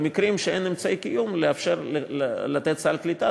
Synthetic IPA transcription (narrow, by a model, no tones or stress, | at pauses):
mikʁimʃeenemt͡saejkijumleafʃeʁlat̪et̪t͡salklit̪a